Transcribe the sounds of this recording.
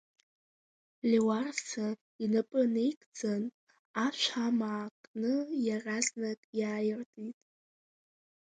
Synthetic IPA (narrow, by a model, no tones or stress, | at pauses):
lʲiwarsa | inapʼɨne̞jkʼd͡zan | aʃʷamaːkʼnɨjaraznakʼjaːjɪrtʼitʼ